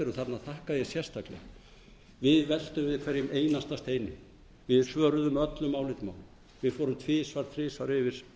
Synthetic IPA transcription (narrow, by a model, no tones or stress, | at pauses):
ɪɾʏθat̪naðθahkaðjɛsjɛr̥st̪ʰaklɛ̰ɣ | vɪðvɛl̥t̪ʏmvɪðkʰvɛɾjɪmeːjnast̪ast̪eːjnɪ | vɪðsvœːɾʏðʏmœt̪lʏmːawlɪt̪ma̰ːwlʏm | vɪðfɔːɾʏmt̪ʰvɪːsvaɾ̥t̪ʰɾɪːsvaɾɪvɪɾ̥